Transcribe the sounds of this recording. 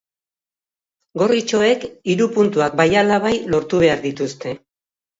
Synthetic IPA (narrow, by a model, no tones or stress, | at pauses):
ɡo̞rit͡ʃo̞e̞kiɾupunt̪uak̚bajalaβ̞ajlo̞ɾt̪uβ̞e̞aɾðit̪ust̪e̞